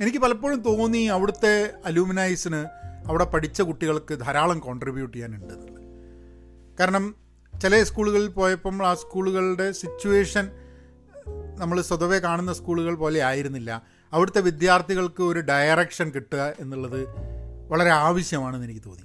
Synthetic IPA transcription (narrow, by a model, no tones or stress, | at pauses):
e̞nikʲːɨpɐlɐpːoːɻumt̪o̞ːnːiɐʋiɽut̪ːe̞ɐluːminɐjsinɨɐʋiɽe̞pɐʈit͡ɕːɐkuʈːiɣɐɭkɨd̪ʱɐɾaːɭɐmko̞ːɳɖribjuːʈːijaːnuɳɖɨenːuɭːɐð | kaːɾɐɳɐm | t͡ɕilɐskuːɭuɣɐɭilpo̞ːjɐpːɐmɭaːskuːɭuɣɐɭɖe̞sit͡ɕːuʋe̞ːʂɐn | nɐmːɐɭswɐðɐʋe̞kaːɳunːɐskuːɭuɣɐɭpoːle̞aːjiɾunːilːɐ̰ | ɐʋiɽut̪ːe̞ʋid̪jaːrt̪ʰiɣɐɭkɨo̞ɾuɖɐjɐrekʂɐnkiʈːuɣɐe̞nːuɭːɐðɨʋɐɭɐɾe̞aːʋɐɕjɐmaːɳɨenikʲːɨt̪o̞̰ːnːi